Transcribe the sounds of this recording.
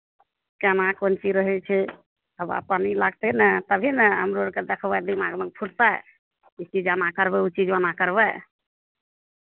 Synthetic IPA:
kanakont͡ʃiɾəɦɛt͡ʃʰɛ | əba̰panilaɡt̪enɛt̪əbʱinɛɦəmɾoəɾked̪ekʰbad̪imaɡməkpʰuɽt̪a | it͡ʃid͡ʒanakəɾbɛut͡ʃid͡ʒanakəɾbɛ

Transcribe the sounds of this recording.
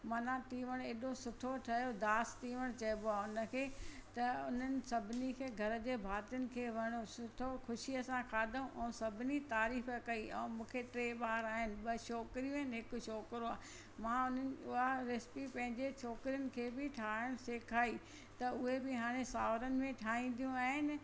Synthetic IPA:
mɐnãt̪iːʋəɽ̃eːɗosʊt̪ʰoʈʰɐjod̪aːst̪iːʋəɽ̃t͡ɕɐjmboaːʊnə̆kʰeːt̪ɐʊn̤ənɪ̆sɐbʱɪnikʰeːɡʱɐɾəd͡ʑeːbʱaːt̪jənɪ̆kʰeːʋɐɽ̃osʊt̪ʰoxʊʃijəsãkʰaːd̪ʱaũʔɛ̃ːsɐbʱɪnit̪aːɾiːfəkɐiʔɛ̰̃ːmũːkʰeʈɾeːɓaːɾaːɦɪnɪ̆ɓɐʃɔːkɾijũɦɪnɪɦɪkʊ̆ʃɔːkɾoaː | mãʊn̤ənɪ̆ʊɦaɾɪspipɐ̃ɦɪ̃ɲd͡ʑet͡ɕʰɔːkɾijənɪ̆kʰeːbɪʈʰaːʊɽ̃seːkʰaːi | t̪ɐʊɦebɪɦaːɽ̃esaːʋɾənɪ̆mẽʈʰaːɦĩn̆d̪ijũaːɦɪnɪ̆

